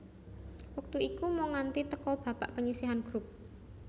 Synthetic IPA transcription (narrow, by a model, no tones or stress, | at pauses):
wək̚t̪uikumɔŋant̪it̪əkɔb̥ä̤b̥aʔpəɲisiɦanɡ̥ɾup̚